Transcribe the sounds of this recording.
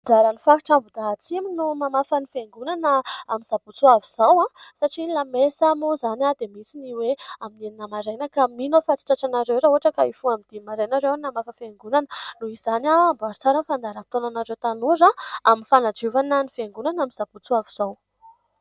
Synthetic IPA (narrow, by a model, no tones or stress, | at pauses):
d͡zaɾanifaki̥ʈ͡ʂambud̪aɦat͡siminumamafənifeŋɡunanəaminz̥abut͡suaviz̥awãsaʈ͡ʂilamesamuzanʲad̪emisiniweamineninəmaɾajnəkaminofat͡si̥ʈ͡ʂaʈ͡ʂanaɾewɾauɦaʈ͡ʂəkaifuamind̪imaɾajnaɾewanamafəfeŋɡunanənuiz̥anambaɾt͡saɾanfand̪aɾəfit̪onanaɾewt̪anuzaaminfanad͡ʒuvanənifeŋɡunanaminz̥ab̥ut͡suaviz̥aw